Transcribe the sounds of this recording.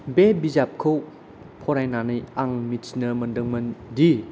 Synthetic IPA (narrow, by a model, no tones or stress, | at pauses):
bebizap̚kʰow | pʰɔɾajnanɯjaŋmit͡ʃnɐmɐndəŋmɐndi